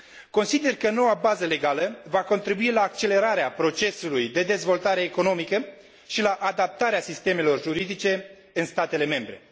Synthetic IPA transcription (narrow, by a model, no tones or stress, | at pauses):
ko̞nsid̪e̞rkəno̞wabazəle̞ɡaləvako̞nt̪ɾibuilaːk̚t͡ʃe̞le̞ɾaɾeapɾo̞t͡ʃe̞sulujd̪e̞d̪e̞zvo̞lt̪aɾe̞ːko̞no̞mikə | ʃilaʔad̪ap̚t̪aɾeasist̪e̞me̞lo̞rʒuɾid̪it͡ʃe̞ | ɨnst̪at̪e̞le̞me̞mbɾe̞̰